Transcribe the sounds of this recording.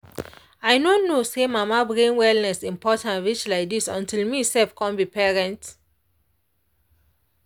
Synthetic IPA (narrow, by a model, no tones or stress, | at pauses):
ajnonːosemamabɹẽnwɛlnɛsĩmpʰɔtãnɹit͡ʃlaɪk̚disɔ̰̃ntilmisɛlfkʰɔ̃nbipɛɹɛ̃nt